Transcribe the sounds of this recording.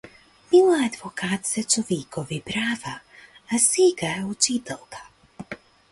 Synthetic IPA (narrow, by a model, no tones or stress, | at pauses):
m̥ilaad̪vokaːt̪sɛt͡ʃoviːkɔvipɾaːvaː | siːɡajut͡ʃit̪ɛlkḁ